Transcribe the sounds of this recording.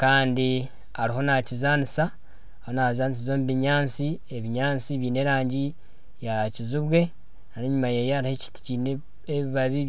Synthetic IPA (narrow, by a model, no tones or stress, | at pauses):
kaːndi | aɾiho̞nacizaːnisa | ahonaβzaːnis̬izo̞muβiɲaːnt͡si | eβiɲaːnt͡siβjiːne̞ɾaːɲɟi | jacizuβwe̞ | naneɲumajejeaɾiheci̥ti̥cin | eβiβaβi